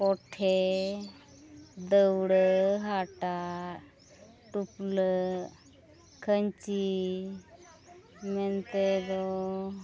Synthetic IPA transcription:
koʈʰe | d̪əwɽəɦaʈa | ʈuplə | kʰənt͡ɕi | ment̪ed̪ɔ

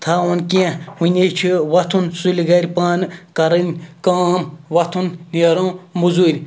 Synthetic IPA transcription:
t̪ʰaːonkiẽwunʲet͡ʃʰiʋɐt̪ʰunsulʲiɡɐɾʲpaːnkɐɾɐnʲkaːmʋɐt̪ʰunniɾõːmuzuːɾʲ

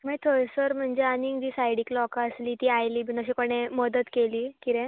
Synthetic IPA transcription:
mit̪ʰoɾsəɾm̤əɳd͡zeanid̪iːsajɽiklɔkəsliːt̪iːajliːbʱinəɕiːkoɽ̃eməd̪ət̪keliːkiɾẽ

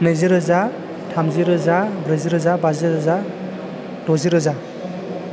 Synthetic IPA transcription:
neziɾɯza | tʰamzɯɾɯzabɾɯziɾɯzabazɯɾɯza | d̥ɔziɾɯza

